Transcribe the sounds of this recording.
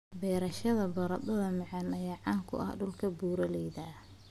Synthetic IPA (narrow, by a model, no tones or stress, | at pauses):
bɛːɾɐʃɐðɐbɐɾɐd̪ɐðɐmɑʕɑnɐjaːʕɑːŋkʰʊ̰ʔɐ̰hɖʊlkʰɐbuːɾɐlɛjðɐ